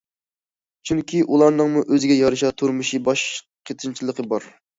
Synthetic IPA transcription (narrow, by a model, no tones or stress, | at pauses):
t͡ʃʰyŋkʲʰiʔulˠɑɾnɨŋmuʔøzɪɡʲɛjɑɾɨʃɑt̪ʰuɾmɨʃibɑʃ | qʰet̪ʰɨnt͡ʃʰilˠəqʰəbɑɾ